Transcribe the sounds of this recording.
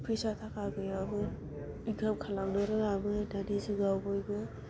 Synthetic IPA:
pʰɾesatʰakaɡɯjabɯ | iɡamkʰalamnɯɾɯabɯdadizɯɡawbɯjbɯ

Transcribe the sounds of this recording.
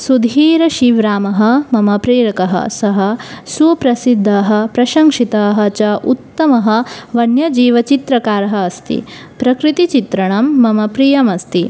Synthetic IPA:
sud̪ʱiːɾɐʃiʋɾaːmɐɦɐ̆mɐmɐpɾeːɾɐkɐɦɐ̰sɐɦɐsupɾɐsid̪ʱːɐːɦɐ̆pɾɐʃɐŋʂit̪ɐːɦɐ̆t͡ʃɐʔut̪ːɐmɐɦɐ̆ʋɐnjɐd͡ʒiːʋɐt͡ʃit̪ɾɐkaːɾɐɦɐːst̪ḭ | pɾɐkɾit̪it͡ʃit̪ɾɐɳɐmːɐmɐpɾiːjɐmɐst̪i

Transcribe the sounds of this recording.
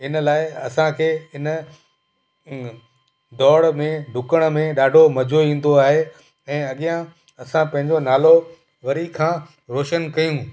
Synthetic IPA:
ɪnlaːɪɐsãkʰeːɪn | d̪ɔːɽmẽɖʱʊkəɽ̃mẽɗaːɖʱomɐd͡ʑʱoĩːn̆d̪oaːɦe | ɛ̃ːɐɠijã | ɐsãpɐ̃ɦɪ̃ɲd͡ʑonaːlo | ʋɐɾikʰãː | ɾoːʃənkɐjũ

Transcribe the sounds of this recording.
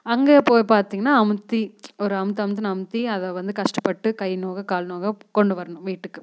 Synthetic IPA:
ɐŋɡeːpoːjpaːɾt̪iːŋɡɐnːaːɐmɯt̪ːiɔɾɯɐmɯt̪̬ːɯɐmɯt̪̬ːɯnɐmɯt̪ːiɐðɐʋɐnd̪ɯkɐʂʈɐpːɐʈːɯkɐjnoːɣɐkaːlnoːɣɐkɔɳɖɯʋɐɾɐɳʊ̃mʋiːʈːɯkːɯ

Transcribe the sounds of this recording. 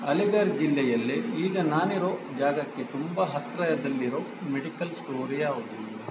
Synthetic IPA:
ɐliɡɐɾd͡ʒilːɛjɐlːeiːɡɐnaːniɾoːd͡ʒaːɡɐkːet̪umbɐɦɐt̪ɾɐjɐd̪ɐlːiɾoː | meɽikɐlsʈoːɾijaːʋud̪u

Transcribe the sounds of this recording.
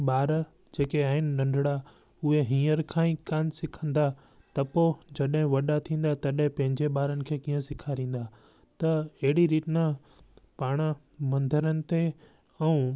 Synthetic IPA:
ɓaːɾ | d͡ʑeːkeaːɦɪnɪ̆ɗɐ̃ɳɖʱɽa | ʊɦeɦĩːəɾkʰãːĩkaːnɪ̆sɪkʰə̃n̆d̪a | t̪ɐpod͡ʑɐɗɦɪ̃ʋɐɗat̪ʰĩːn̆d̪at̪ɐɗɦɪ̃pɐ̃ɦɪ̃ɲd͡ʑeɓaːɾənɪ̆kʰeːkĩːə̃sɪkʰaɾĩːn̆d̪a | t̪ɐɐɦɪɽiɾiːʈnã | paːɽ̃ə̆ | mɐ̃nd̪ʱəɾənɪ̆t̪e | ɛũ

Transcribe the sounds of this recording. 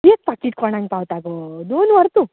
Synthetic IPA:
ek̚pakiʈ̚kʰɔɳ̃ãŋɡpawt̪aɡod̪onʋɐɾt̪u

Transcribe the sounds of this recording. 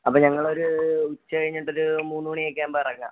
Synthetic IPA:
ɐpːoːɲɐŋːɐɭo̞ɾuut͡ɕːɐkɐɻiɲːiʈːo̞ɾumuːnːuːɳijekːaːmbɐrɐŋːɐ̰

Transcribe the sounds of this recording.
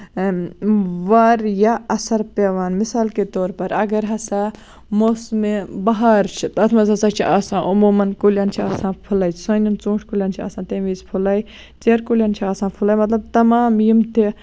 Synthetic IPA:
ʋɐɾjaɐsɐɾpeʋaːnmɪsaːlket̪oːɾpɐɾɐɡɐɾɦɐsa | mosmebɐɦaːɾt͡ʃʰit̪ɐt̪ʰmɐzɐsaːt͡ʃʰiʔaːsãːʔɐmuːmɐnkulʲjaːnt͡ʃʰiaːsãːpʰulaːjsɐnint͡sũːʈʰkulʲjaːnt͡ʃʰia̰ːsãːt̪ẽːʋiːspʰulaːj | t͡seːɾkulʲjaːnt͡ʃʰiaːsãːnpʰʊlaːjmɐt̪lɐb̚t̪ɐmaːmjimt̪ʰi

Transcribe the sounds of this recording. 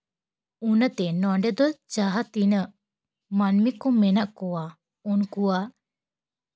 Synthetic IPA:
unat̪ɛnɔɳɖɛd̪ɔd͡ʒaɦat̪inəʔ | manmikɔmɛnaʔkɔwa | unkuwa

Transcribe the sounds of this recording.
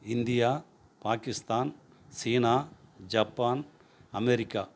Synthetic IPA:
ɪnd̪ɪjaː | paːkɪst̪aːn | siːnaːd͡ʒɐpːaːn | ɐmɛɾɪkːa

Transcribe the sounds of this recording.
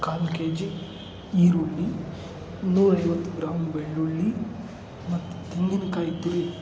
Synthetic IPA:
kaːnkeːd͡ʒ | iːɾuɭːi | nuːɾɐjʋɐt̪ːuɡɾaːmbeɭːuɭːi | mɐt̪ːu̥t̪iŋɡinɐkaːjit̪uɾi

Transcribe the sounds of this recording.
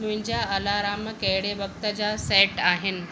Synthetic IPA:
muɲd͡ʑjaəlaɾaməkeɽebək̚t̪ət͡ɕaseʈaɦen

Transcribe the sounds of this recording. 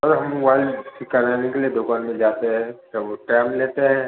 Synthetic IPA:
ɔɾɦɐmʋaːlsɪkaɾaːnekelied̪ʊkaːnmẽd͡ʒaːt̪eɦɛ̃k̪aʋoʈɛːmleːt̪eɦɛ̃ː

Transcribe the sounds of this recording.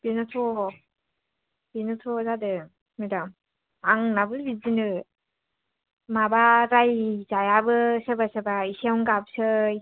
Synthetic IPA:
b̥inɯtʰo | b̥inɯtʰozadɯ | madam | aŋnabɯbid͡ʒinɯ | mabaɾajzajabɯsɯbasɯbaisawŋɡabsɯ

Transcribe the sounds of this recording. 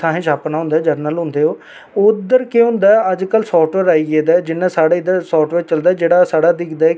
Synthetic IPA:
ãːɦẽːʃaːpnaːɦʊ̃nd̪aːd͡ʒəɾnəlɦʊ̃nd̪eːoː | ʊd̪əɾkeɦʊ̃nd̪aːɛəd͡ʒkəlsɔːʈʋeːɾaːiːɡeːd̪aɛd͡ʒɪnːãːsaːɽeːɪd̪əɾsɔːʈʋeːt͡ʃəld̪aːɛːd͡ʒeːɽaːsaːɽaːd̪ɪkʰd̪aːɛ

